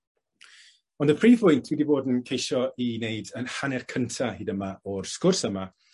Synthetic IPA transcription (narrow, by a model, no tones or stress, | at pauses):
ɔndəpʰriːpʰʊjntʰwidiboːdn̩kʰejʃɔinejdənhanɛrkʰəntʰahiːdəmaɔrskʊrsəma